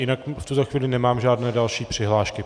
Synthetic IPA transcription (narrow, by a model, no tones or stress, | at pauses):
jɪnakft̪ut̪oxviːlɪnɛmaːmʒaːdnɛːdalʃiːpr̥ɪɦlaːʃkɪ